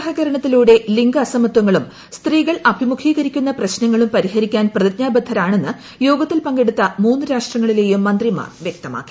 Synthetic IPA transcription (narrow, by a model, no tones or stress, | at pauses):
ɦɐɣɐɾɐɳɐt̪ːiluːɽe̞liŋɡɐsɐmɐt̪wɐŋːɐɭum | st̪riːɣɐɭɐbʱimukʰiːɣɐɾikʲːunːɐprɐɕnɐŋːɐɭumpɐɾihɐɾikʲːaːnprɐðɐt̪ɲaːbɐd̪ʱːɐɾaːɳe̞nːɨ | jo̞ːɡɐt̪ːilpɐŋɡe̞ɽut̪ːɐmuːnːɨɾaːʂʈrɐŋːɐɭile̞ːjumːɐnd̪rima̰ːrʋjek̚t̪ɐma̰ːkːi̥